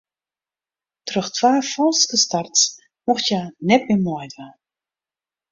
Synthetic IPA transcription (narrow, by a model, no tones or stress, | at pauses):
trɵxtʰʋaːfɔlˠskəstarts | mɔxtjanɛt̚mɪmɔjdʋa